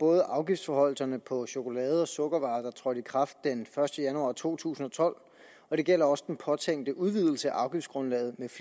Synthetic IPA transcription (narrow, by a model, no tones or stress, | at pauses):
b̥ɔ̽ːð̞ˠəʔɑ̈ʊɡ̥ifd̥sfɒhɒ̽l̰sɐnəpʰɒ̽ɕo̝ko̝lɛːð̞̩ˠɒ̽sɔ̽ɡ̥ɐʋɑ̈ːd̥ɑt͡sʰʁɒɾ̥ikʰʁɑ̈fd̥̚enfɶɐsd̥əjænuɑ̈ːt͡sʰo̝̰ːt͡sʰṵːsn̩ɒ̽t͡sʰɒ̽l̰ | ɒ̽ɾ̥e̝ɡ̥el̰ɐɒ̽səd̥enpʰɒ̽t͡sʰeŋ̰d̥əʔuðˠʋið̞ˠl̩səæʔɑ̈ʊɡ̥ifd̥sɡ̥ʁɔ̽nlɛ̰ːðˠmef